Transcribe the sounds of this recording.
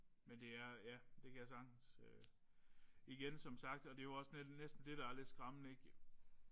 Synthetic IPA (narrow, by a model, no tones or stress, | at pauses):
mend̥e̝æɐjæd̥e̝kʰæjæsɑ̈ɡ̥n̩sø | iɡ̥ensɒ̽msɑ̈ɡ̥̚d̥ɒ̽d̥e̝joɒ̽snenesd̥n̩d̥e̝ɾ̥ɑæɐle̝d̥sɡ̥ʁɑ̈mənəeɡ̥